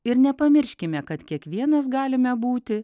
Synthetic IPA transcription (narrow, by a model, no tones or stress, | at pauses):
ɪɾnʲɛpɐmʲɪɾʲʃʲkʲɪmʲɛkɐt̪kʲiɛkʋʲiɛnɐsɡɑːlʲɪmʲɛbuːt̪ʲɪ